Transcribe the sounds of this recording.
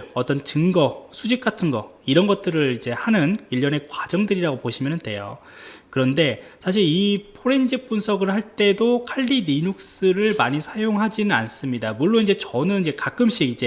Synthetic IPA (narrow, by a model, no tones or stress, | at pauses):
ʌt͈ʌnt͡ɕɯŋɡʌsʰud͡ʑik̚k͈atʰɯnɡʌ | iɾʌnɡʌt̚t͈ɯɾɯɭid͡ʑe̞hanɯniʎːʌne̞kwad͡ʑʌŋdɯɾiɾaɡopoɕʰimjʌnɯnde̞̰jo̰ | kɯɾʌnde̞sʰaɕ̬ʰiɾipʰoɾe̞nd͡ʑip͈unsʰʌɡɯɭhaɭt͈e̞dokʰaʎːiniɲuk̚s͈ɯɾɯɭmaɲisʰajoŋɦad͡ʑinɯnans͈ɯmɲidamuɭːoind͡ʑe̞t͡ɕʌnɯnind͡ʑe̞kak͈ɯmɕ͈iɡid͡ʑe̞